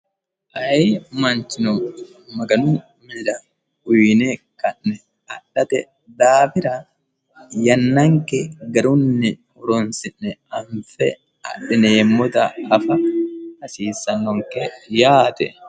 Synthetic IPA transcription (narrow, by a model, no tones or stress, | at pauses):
ʔɐɛmɐnt͡ʃɪnɔ | mɐɡɐnʊ | mɪd̪ɐ | ʊjne | kɐnːɛ | ɐɗɐt̪ɛ | d̪aːbɪɾɐ | jɐnːɐŋkɛɡɐɾʊnːɪ | hɔɾɔnsɪnːɛɐɱfɛ | ɐ̰ᶑɪneːmːɔt̪ɐːfɐhɐsiːsːɐnːɔŋkɛjaːt̪ɛ̰